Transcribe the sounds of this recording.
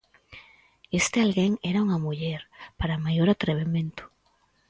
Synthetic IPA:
est̪ealɣeŋeɾauŋamuʎeɾpaɾamajoɾat̪ɾeβ̞emẽnt̪ʊ̥

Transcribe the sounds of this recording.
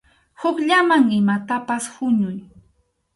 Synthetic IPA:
hʊkʎamaŋɪmat̪apashʊɲʊj

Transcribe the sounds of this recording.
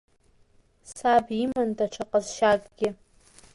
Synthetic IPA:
sabimandaʈ͡ʂʰaqʼazʃakʼɡʲɪ

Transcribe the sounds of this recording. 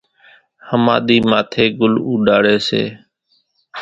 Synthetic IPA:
həmã̰ːɗ̪iːmaːt̪ʰeːɡʊluːɖaːɽeːsḛː

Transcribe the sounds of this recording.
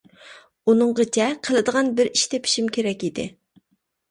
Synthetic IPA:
unɨŋʁət͡ʃʰɛqʰəlˠɨd̪əʁɑnbɪɾiʃt̪ʰɛpʰi̥ʃimkʲeɾɛkʲid̪ɪ̰

